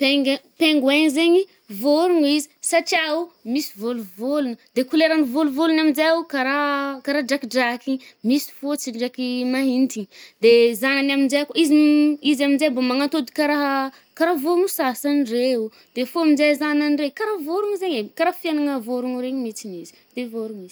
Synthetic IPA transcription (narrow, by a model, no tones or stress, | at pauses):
peŋɡpeŋɡweɲzeɲi | voɾuŋizisaʈ͡ʂiaumisi̥voluvolunəd̪ekuleɾanivoluvolunaminzaawkaɾakaɾaɖ͡ʐakiɖ͡ʐakimisi̥fot͡siɳɖ͡ʐakimaɦint̪id̪ezananaminzajakoiziizaminzambamaŋant̪od̪i̥kaɾaɦ | kaɾavomusasanreu | d̪̥efoamizazananrekaɾavoɾuŋizeɲekaɾafianaŋəvoɾuŋuɾeɲimit͡sinizi̥ | d̪̥evoɾuŋiz̥